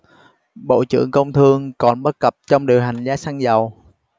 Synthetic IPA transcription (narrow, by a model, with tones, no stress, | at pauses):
ɓo̰˧˨t͡ɕɨ̰˧˥˨əŋkə˧wŋ͡mt̪ʰɨ˧əŋkɔ˨˩nɓə˦˥t̚kə˨˩p̚t͡ɕɔ˧wŋ͡mɗi˨˩əwɦa˨˩jŋ̟zaː˨˦˥sa˧ŋzə˨˩w